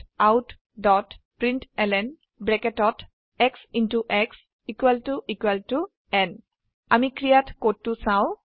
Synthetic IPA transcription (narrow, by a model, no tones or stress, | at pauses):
awt | dɔtpɹintɛlɛn | bɹɛkɛtɔt | ɛksintuʔɛks | ikwɛltuʔikwɛltu | ɛn | a̰mikɹijatkotːusaʊ̃